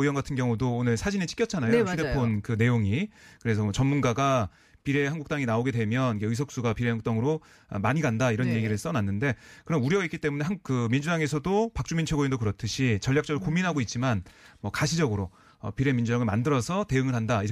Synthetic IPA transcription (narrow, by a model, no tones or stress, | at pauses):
ɯjʌnɡatʰɯnɡjʌŋudoːnɯɭsʰad͡ʑinet͡ɕʰi̥k͈jʌt͡ɕʰanajot͡ɕudeppʰonkɯne̞joŋikɯɾe̞sʰʌmʌt͡ɕʌnmunɡaɡa | piɾe̞ɦanɡukt͈aŋinaoɡe̞dwe̞mjʌnikeɯs̬ʰʌk̚s͈uɡapiɾe̞ɦanŋɡuk̚t͈aŋɯɾo | ʌ̰maɲiɡandaiɾʌnje̞ɡiɾɯɭs͈ʌnanːɯnde̞kɯɾʌnuɾjʌɡaik͈ːit͈e̞mune̞ɦankɯmind͡ʑudaŋe̞sʰʌdopak̚t͡ɕ͈umint͡ɕʰeɡoindokɯɾʌt͈ʰɯɕʰit͡ɕʌʎjak̚t͡ɕ͈ʌɡɯɭkominɦaɡoit̚t͡ɕ͈imanmwʌkaɕʰid͡ʑʌɡɯɾo | ʌpiɾe̞mind͡ʑudaŋɯɭma̰ndɯɾʌsʰʌte̞ɯŋɯɭhandai